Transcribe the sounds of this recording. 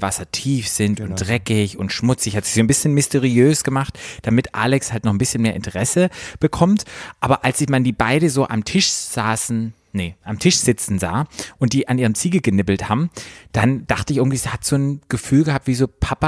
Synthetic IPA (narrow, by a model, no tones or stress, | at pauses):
vasɐtʰiːfz̥ɪntʊntd̥ʁɛkɪçʊntʃmʊt͡sɪçhatzi̥z̥oːnbɪsçənmɪsteʁiøːsɡ̥əmaχtd̥amɪtʔa̰ːlɛkshaltnɔχn̩bɪsçənmeːɐʔɪntʰəʁɛsəb̥əkʰɔmtʔaːbɐʔalsɪçmandiːbaɪɾəzoːʔa̰mtʰɪʃz̥aːsn̩ | nəʔamtʰɪʃz̥ɪt͡sn̩za̰ːʔʊnt̚d̥iːʔanʔiːʁ̞əmt͡siːɡl̩ɡənɪbl̩thaːbm̩d̥and̥aχtəɪçʔɪɐɡŋ̩tviːziːhatz̥oːnɡ̥əfyːlɡəhap̚tv̥iːzoːpʰapa